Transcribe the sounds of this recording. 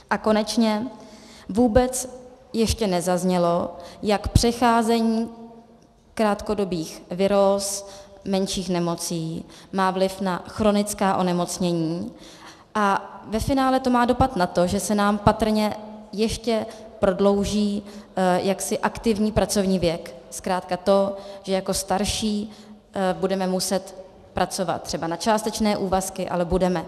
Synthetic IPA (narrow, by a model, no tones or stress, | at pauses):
ʔako̞nɛt͡ʃɲɛ | vuːbɛt͡s | jɛʃcɛnɛzazɲɛlo̞jakpr̝̥ɛxaːzɛɲiː | kɾaːt̪ko̞do̞biːxvɪɾos | mɛnʃiːxnɛmo̞t͡siːmaːvlɪfnaxɾo̞nɪt͡skaːʔo̞nɛmo̞t͡sɲɛɲiː | ʔavɛfɪnaːlɛt̪o̞maːdo̞pat̪nat̪o̞ʒɛsɛnaːmpat̪r̩ɲɛjɛʃcɛpɾo̞dlo̞wʒiːjaksɪʔakt̪ɪvɲiːpɾat͡so̞vɲiːvjɛkskɾaːt̪kat̪o̞ʒ̥ɛjako̞st̪aɾʃiː | budɛmɛmusɛt̪ | pɾʔat͡so̞va̰t̪̚t̪ːr̥ɛbanat͡ʃaːst̪ɛt͡ʃnɛːʔuːvaskɪʔa̰lɛbudɛmɛ